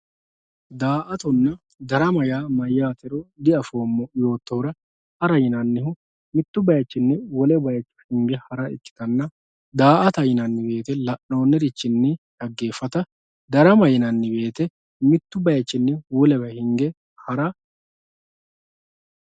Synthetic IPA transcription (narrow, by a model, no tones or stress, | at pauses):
d̪aːʔɐt̪ʊnːɐ | d̪ɐɾɐmɐjaːmɐjːaːt̪ɛɾɔd̪ɪɐfoːmːɔjo̞ːt̪ːɔwɾɐ | hɐɾɐjɪnɐnːɪɦʊ | mɪt̪ːʊbɐjɐt͡ʃːɪnːɛwɔlɛbɐjɐt͡ʃːʊ̥hɪŋɡɛhɐɾɐɪt̪ːɪ̥t̪ɐnːɐ | d̪aːʔɐt̪ɐjɪnɐnːɪbe̞ːt̪ɛlɐʔːo̞ːnːɛɾɪt͡ʃːɪnːɛʔɐɡːe̞ːfːɐt̪ɐ | d̪ɐɾɐmɐjɪnɐnːɪbe̞ːt̪ɛ | mɪt̪ːʊbɐjɐt͡ʃːɪnːɛwɔlɛbɐhɪŋɡɛ | hɐɾɐ